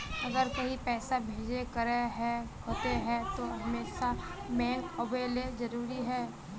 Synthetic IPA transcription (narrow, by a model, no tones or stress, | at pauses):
ɐɡəɾkɐɦipɛːsabʱeːd͡ʒekɐɾeɦɛ | ɦot̪eɦɛt̪oɦɐmeːʃamɛ̃ːŋkobeːlezɐɾuːɾiɦɛː